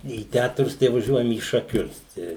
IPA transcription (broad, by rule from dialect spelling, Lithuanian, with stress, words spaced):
iː ˈtʲætrʊs tɐɪ ʋɐˈʒʲuɔjɛm iː ʃɐˈkʲʊs ˈtʲæː